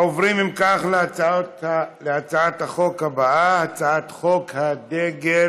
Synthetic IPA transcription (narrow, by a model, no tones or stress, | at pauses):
ovʁimimkaχleaaot̪leat͡saat̪haχo̞khabaʔahat͡saat̪χo̞khad̪eɡe